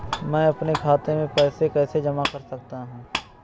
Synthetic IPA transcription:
mɛ̃ːɐpnekʰaːt̪ẽmẽpɛːsekɛːsed͡ʒɐmakɐɾsɐk̚t̪aɦũː

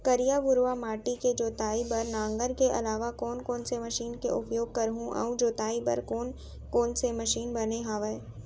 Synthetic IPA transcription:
kɐɾijabʊɾʋamaːʈiked͡ʒoːt̪aːibɐɾnãːŋɡəɾkeʔɐ̰laːʋakɔːnkoːnsemɐʃiːnkeʔʊpjoːɡ̚kɐɾɦũʔɐ̰ũd͡ʒoːt̪aːibə̰ɾkoːn | koːnsemɐʃiːnbɐneɦaːʋeː

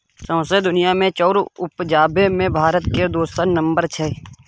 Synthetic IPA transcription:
sə̃ːsed̪ʊnɪjamẽt͡ʃɔːɾʊpd͡ʒaːbemẽbʱaːɾət̪ked̪oːst̪ənnə̃mbəɾt͡ʃʰɛː

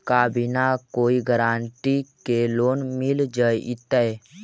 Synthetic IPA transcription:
kabinakoːiɡəɾaːɳʈikeloːnmɪld͡ʒəit̪əe

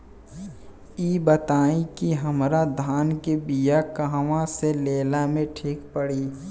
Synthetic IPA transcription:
iːbət̪aːĩkiɦɐmɾad̪ʱaːnkebijakaɦʋãseleːlamẽʈʰiːkpəɽiː

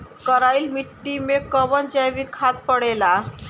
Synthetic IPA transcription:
kəɾailmiʈːimekəʋənd͡ʑajʋikʰat̪̚pəɽela

